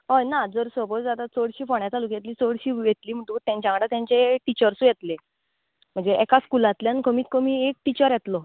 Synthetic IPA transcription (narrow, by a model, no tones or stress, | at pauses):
ɦojnad͡zəɾsəpod͡zd͡zad̪at͡soɽɕiːfɔɳjat͡s̪aluːkjet̪liːt͡soɽɕiːjet̪liːm̤əɳʈ̪ũːt̪jãɲt͡ɕjãkəɽat̪jãɲt͡ɕeʈit͡ɕəɾsũjet̪le | m̤əɳd͡zeʔɛkaskulat̪ljankəmiːt̪̚kəmiːek̚ʈit͡ɕəɾjet̪lɔ